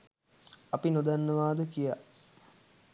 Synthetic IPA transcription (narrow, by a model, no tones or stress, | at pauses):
ɐpinod̪anːəʋaːd̪əkija